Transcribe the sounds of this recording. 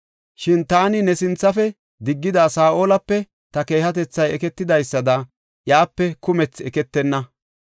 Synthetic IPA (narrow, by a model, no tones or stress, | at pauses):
ʃɪnt̪aːnɪnɛsɪnt͡sːɐfɛ | d̪ɪɡːɪd̪aːsaːʔoːlɐpːɛ | t̪ɐke̞ːhɐt̪ɛt͡sːɐjɛkɛt̪ːɪd̪ɐjsːɐd̪ɐ | jaːpːɛkʊmɛt͡sːɛkɛt̪ːɛnːɐ